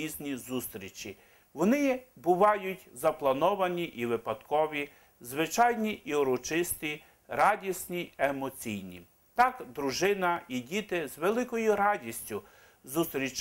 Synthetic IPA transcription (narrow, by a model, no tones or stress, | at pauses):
izʲnʲizust̪ɾʲit͡ʃʲi | ʋɔnɪbʊʋɑjʊtʲzɐplˠɐnɔʋɐnʲiʔiʋɪpɐd̪kɔʋʲi | zʋɪt͡ʃɑjnʲiʔiɔɾɔt͡ʃɪst̪i | ɾɑdʲisʲnʲiemɔt͡sʲijnʲḭ | t̪ɑkd̪ɾʊʒɪnɐidʲit̪ɪzʋelˠɪkɔjʊɾɑdʲisʲtʲʊ | zust̪ɾʲit͡ʃ